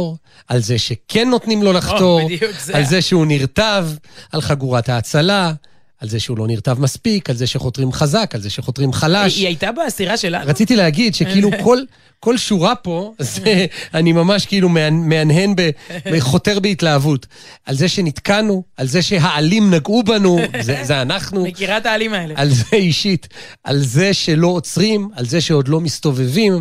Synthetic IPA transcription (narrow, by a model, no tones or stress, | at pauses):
ʁ | alzeʃe̞kʰe̞nːo̞t̪nimlo̞laχto̞alze̞ʃeuniʁt̪avʔalχaɡuʁathaːt͡sala | alzeʃeulo̞niʁt̪avmaspikalzeʃeχo̞tʁimχazakalzeʃeχo̞t̪ʁimχalaʃiajtabasiʁaʃelaʁat͡sit̪ilehaɡidʃekiiluko̞l | ko̞lʃuʁapo̞zeanimamaʃkeilumeanmeanɦe̞nbeeχo̞te̞ʁbeitlaːvut | ʔalze̞ʃe̞nit̪kanualze̞ʃe̞ɦaːlimnaɡubanuzezeanaχnumekiʁat̪aːlimaelealzeiʃit | ʔa̰lze̞ʃe̞lo̞ːt͡sʁimalze̞ʃeo̞d̪lo̞mist̪o̞ve̞vim